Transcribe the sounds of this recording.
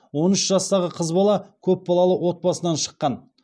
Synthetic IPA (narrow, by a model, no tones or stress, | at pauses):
wo̞nʏʃʒɑst̪ɑʁəqʰəzbɑlˠɑkʲʰɵp̚bɑlˠɑlˠəwo̞t̪̚bɑsənɑnʃə̥qːɑn